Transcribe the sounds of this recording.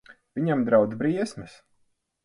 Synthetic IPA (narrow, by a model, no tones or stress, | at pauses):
vʲiɲamd̪ɾawd̪bɾiɛsmɛs